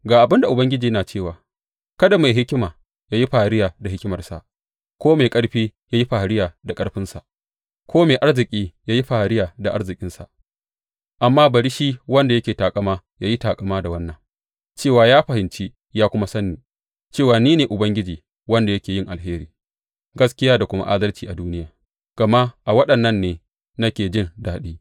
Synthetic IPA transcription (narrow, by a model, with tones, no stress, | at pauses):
ɡaː˨ʔa˨bɪ˦nda˨ʔʊ˨bɐ˦ŋɡʲɪ˦d͡ʒiː˨˦naː˨t͡ʃeː˦˨waː˨ | kɐ˦da˨ma˨jɦɪ˦kʲɪ˦maː˨ | jaː˦ji˦ɸaː˨ɾɪ˦jaː˨da˨ɦɪ˦kʲɪ˦mɐ˨rsa̰˨ʔ | kʷoː˦meː˨kʼɐ˦ɽɸiː˦jaː˦ji˦ɸa˨ɽɪ˦jaː˨da˨kʼɐ˦ɽɸɪ˦nsa˨ʔ | kʷʰoː˦meː˨ʔa˦ɽzɪ˨kʲʼiː˦jaː˦ji˦ɸaː˨hɾɪ˦jaː˨da˨ʔa̰˦ɽzɪ˨kʲʼɪ˦nsa̰˨ʔ | ʔa˨mːaː˦bɐ˨ɾi˦ʃi˦wɐ˦nda˨jɐ˦kʲeː˨taː˨kʼɐ˦maː˦ | jaː˦ji˦taː˨kʼɐ˨maː˦da˨wɐ˦nːɐ˨ŋ | t͡ʃeː˦˨waː˨jaː˦ɸɐ˨hɪ˨nt͡ʃi˦ | jaː˦kʷʊ˦ma˦sɐ˦nːiː˨ | t͡ʃeː˦˨waː˨niː˦neː˨ʔʊ˨bɐ˦ŋɡʲɪ˦d͡ʒiː˨ | wɐ˦nda˨jɐ˦kʲeː˨jɪ˦˨ŋʔa˨lɦeː˦ɾiː˨ | ɡɐ˦skʲɪ˦jaː˦da˨kʷʊ˦ma̰˦ʔa̰˦d̪ɐ˦lt͡ʃiː˨ʔa˨duː˦nɪ˦jaː˨ | ɡ̥ɐ˨ma˦ʔʔa˨wɐ˦ɗɐ˨nːɐ˦nːeː˨ | nɐ˦kʲeː˨d͡ʒɪ˦˨ndaː˨ɗiː˦